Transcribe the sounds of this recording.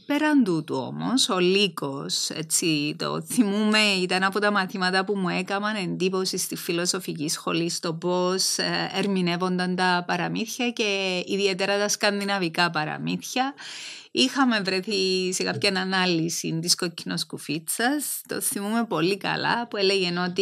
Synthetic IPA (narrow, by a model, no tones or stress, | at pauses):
pe̞ɾɐnd̪ut̪uo̞̰mo̞̰so̞liko̞se̞̰t͡sːit̪o̞̰θimume̞it̪ɐnɐpo̞t̪ɐmɐθimɐt̪ɐpumue̞kɐmɐne̞nd̪ipo̞sist̪isfilo̞so̞ficisxo̞̰list̪o̞po̞seɾmine̞vo̞nd̪ɐnt̪ɐpɐɾɐmiθçɐce̞iðie̞t̪e̞ɾɐt̪ɐskɐnd̪inɐvikɐpɐɾɐ̰miθçɐ | ixɐme̞vɾe̞θise̞kapçɐnɐnɐlisḭnt̪isko̞cʰːino̞skufit͡sːɐst̪o̞̰θimume̞po̞likɐ̰lɐ̰pueleʝe̞no̞t̪i